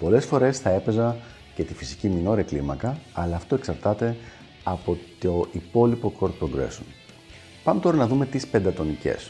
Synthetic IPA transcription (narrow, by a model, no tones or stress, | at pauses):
po̞lesfo̞ɾe̞sθɐe̞pe̞zɐ | ce̞t̪ifisicimino̞ɾiɐklimɐkɐɐlɐːft̪o̞e̞ksɐɾt̪ɐt̪e̞ | ɐpo̞t̪oʔipo̞lipo̞kʰo̞ɾt̪̚pɾoɡɾḛson | pɐmet̪o̞ɾɐnɐðume̞t̪ispe̞nd̪ɐt̪o̞nice̞̰s